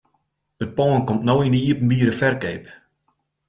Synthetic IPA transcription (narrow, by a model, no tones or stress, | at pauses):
ət̚pɔːənkomtnoːindəiəpn̩biəɾəfɛrkeːp